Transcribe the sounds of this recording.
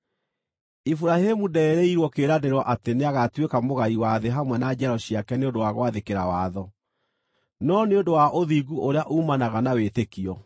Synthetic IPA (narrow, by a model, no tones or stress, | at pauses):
ifuɾahemudɛːɾeiɾwɔkeɾadeɾwɔʔateneaɣatwekamoɣaiwaðeɦamwɛnad͡ʑɛɾɔɕiakɛneondowaɣowaðekeɾawaːðɔ | nɔneondowaʔoðiɡuʔoɾeaʔuːmanaɣanawetekiɔ